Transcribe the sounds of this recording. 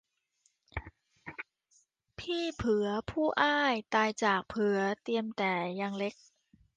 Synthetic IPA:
pʰiː˥˩pʰɯ˩˦ɐpʰuː˥˩ʔaː˥˩jt̪aː˧jt͡ɕaː˨˩k̚pʰɯ˨˩˦ɐt̪i˧əmt̪ɛː˨˩ja˧ŋle˦˥k̚

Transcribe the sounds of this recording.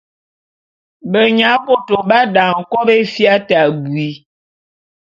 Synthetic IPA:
bə˨ɲa˨˦ko˦to˨ba˦da˨ŋ̩˨kɔ˦be˦fja˦ta˨bwi˨˦

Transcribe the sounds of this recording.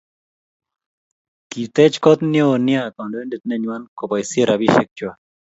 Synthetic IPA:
ki˨t̪ɛ˦t͡ʃkɔ˦t̪njo˨nja˦˨kɔ˨ɳɖo˦e˦ndi˨t̪̚nɛ˦ɲwa˦nko˨pa˨jsi˦e˦ɾa˨bi˦ʃe˦k̚t͡ʃwa˨

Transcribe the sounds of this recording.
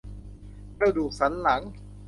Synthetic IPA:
kɾa˧duː˨˩k̚sa˩˦nla˩˦ŋ

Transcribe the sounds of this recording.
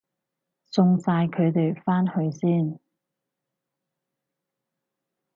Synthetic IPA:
t͡sʊ˧ŋt͡saː˧jkʰɵ˨˧ɥt̪e˨jfaː˥nhɵ˨˧ɥsiː˥˩n

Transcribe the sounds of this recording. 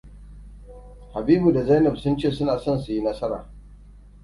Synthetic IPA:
ha˨biː˦bu˨da˨za˦jnɐ˨bsʊ˦nt͡ʃeː˦˨sʊ˦naː˨sɔ˦˨nsu˨ji˦nɐ˦sɐ˦ɾa̰ː˨

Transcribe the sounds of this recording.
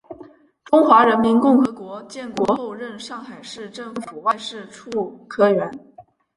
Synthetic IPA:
ʈ͡ʂʊ˥ŋxwa˧˥ɻə˧˥nmi˧˥nkʊ˥˩ŋxɤ˧˥kwɔ˧˥t͡ɕjɛ˥˩nkwɔ˧˥xo˥˧ʊɻə˥˧nʂɑ˥˩ŋxa˨˩ɪʂɻ̩˥˧ʈ͡ʂɤ˥˩ŋfu˨˩wa˥˧ɪʂɻ̩˥˧ʈ͡ʂʰu˥˩˧kʰɤ˥ɥɛ˧˥n

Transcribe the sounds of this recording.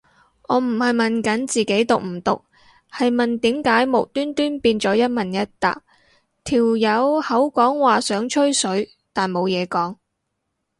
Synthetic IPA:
ɔː˨˧m̩˨˩hɐ˨jmɐ˨nkɐ˨˥nt͡siː˨ke˨˥jt̪ʊ˨k̚m̩˨˩t̪ʊ˨k̚ | hɐ˨jmɐ˨nt̪iː˨˥mkaː˨˥jmʊ˨˩w̚t̪yː˥nt̪yː˥npiː˧nt͡sɔː˨˥jɐ˥t̚mɐ˨njɐ˥t̚t̪a̰ː˨k̚ | t̪ʰiː˨˩wjɐ˨˧whɐ˨˥wkɔː˨˥ŋwaː˨˩sœː˨˥ŋt͡ʃʰɵ˥ɥsɵ˨˥ɥ | t̪aː˨nmo˨˧wjɛː˨˧kɔː˨˥ŋ

